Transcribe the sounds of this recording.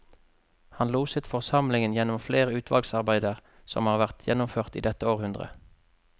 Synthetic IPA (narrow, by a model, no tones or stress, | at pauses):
hɑnluːsət̪fɔʁsɑmlɪŋənjɛnʊmfleːʁəʉːt̪ʰʋɑ̰lɡsɑʁbæɪd̪əʁ | sɔ̰mhɑːʁʋæʁt̪ʰjɛ̰nʊmføːʁt̪ḭːd̪ɛt̪əoːʁhʉnd̪ʁə̰